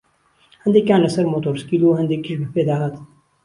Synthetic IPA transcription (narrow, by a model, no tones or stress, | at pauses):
hɐnd̪ekʲjãːnɐsɐɾmoːt̪oːɾskiluːɦɐnd̪ekiʃbʱiped̪aːɦɐt̪